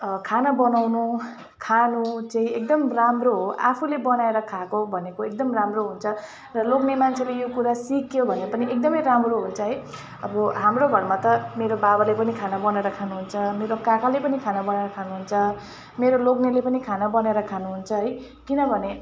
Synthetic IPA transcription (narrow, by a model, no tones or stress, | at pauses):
kʰanabʌnawnu | kʰanut͡saĩek̚d̪ʌmramroɦoʔapʰulebʌnaeɾʌkʰakobʱʌnekoek̚d̪ʌmramroɦunt͡sʰʌ | rʌloɡnemant͡sʰelejokuɾasikjobʱʌnepʌniek̚d̪ʌmʌjɾamroɦunt͡sʰʌɦʌj | ʌbʌɦamrobʱʌrmat̪ʌmeɾobabalepʌnikʰanabʌnaeɾʌkʰanuɦunt͡sʰʌmeɾokakalepʌnikʰanabʌnaeɾʌkʰanuɦunt͡sʰʌ | meɾoloɡnelepʌnikʰanabʌnaeɾʌkʰanuɦunt͡sʰʌɦʌj | kinʌbʱʌne